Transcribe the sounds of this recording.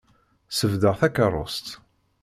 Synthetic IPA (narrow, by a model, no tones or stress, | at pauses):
səvd̪əʁθækərˤːo̰st̪